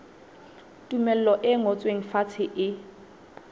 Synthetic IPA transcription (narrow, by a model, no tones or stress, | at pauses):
tʼumɛl̩lɔʔɪŋot͡sʼweŋ̩fat͡sʰɪʔɪ